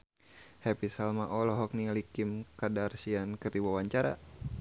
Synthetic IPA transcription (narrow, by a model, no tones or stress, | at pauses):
hɛpisalmaʔɔlɔɦɔk̚nilikimkadarsiankɨrdiwawaɲt͡ʃaɾa̰